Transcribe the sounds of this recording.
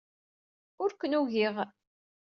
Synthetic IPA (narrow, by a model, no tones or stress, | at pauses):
ʊɾkənuʝiʁ